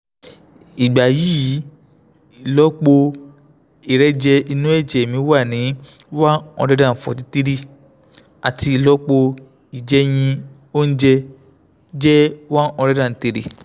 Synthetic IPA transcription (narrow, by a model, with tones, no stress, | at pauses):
i˨ɡ͡ba˨ji˨˦ji˨˦˨ | lɔ˨˦k͡po˧ | i˨ɾɛ˦d͡ʒɛ˧i˧nũ˦ɛ˦˨d͡ʒɛ˨mĩ˨˧˦wa˦˨nĩ˨˦ | wa˦ɔ̰˧dɛ˦dã˦˨fɔ̰˨ti˨˧˦ti˦ɾi˦˨ | a˨ti˧i˨lɔ˨˦k͡po˧ | i˨d͡ʒɛ˨˦j̃ĩ˧ | o˦n̩˦d͡ʒɛ˧ | d͡ʒɛ˦wa˦ɔ˧ɾɛ˦dã˦˨n̩˨te˨˧ɾḛ˨